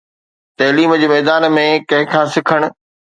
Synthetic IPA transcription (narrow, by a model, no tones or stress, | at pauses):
t̪ɐːliːmd͡ʑeːmɛːd̪aːnmẽkɐ̃ɦɪ̃kʰãːsɪkʰəɽ̃ʊ̆